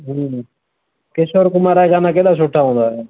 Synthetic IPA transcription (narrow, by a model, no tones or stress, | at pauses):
ɦĩ | kesoːɾkʊmaːɾaːeɡaːnaːkeːɗ̪aːs̬oːʈʰːaːɦõːnd̪aːj